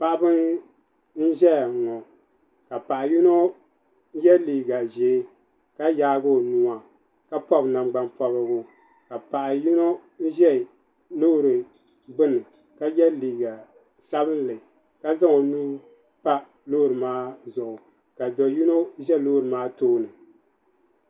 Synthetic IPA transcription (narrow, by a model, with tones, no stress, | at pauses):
pa˦ʔbɨ˦n | n̩˦ʒɛ˦˨ŋɔ˨ | ka˨pa˨ʔju˦no˦ | jɛ˦liː˨ɡa˨ʒeː˨˦ | ka˦jaː˦ɡo˦˨nu˨a˨ | ka˦pɔ˦bna˨mɡ͡ba˦npɔ˨bɨ˨ɡʊ˦ | ka˨pa˨ʔa˨ju˦no˦n̩˦ʒɛ˦˨ | lo˦˨ɾɨ˨ | bɨ˦nɨ˨ | ka˦jɛ˦liː˨ɡa˨ | sa˦bɨ˦n˦lɨ˨ | ka˦za˦ŋo˨nu˦ | pa˦ | lo˦ɾɨ˨maː˦zʊ˨ʔʊ˨ | ka˨dɔ˨ju˦no˦ʒɛ˦loː˦ɾɨ˨maː˦toː˦nɨ˨